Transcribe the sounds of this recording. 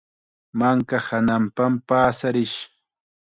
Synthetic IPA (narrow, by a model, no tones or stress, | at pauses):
maŋkahanampampaːsaɾɪʃ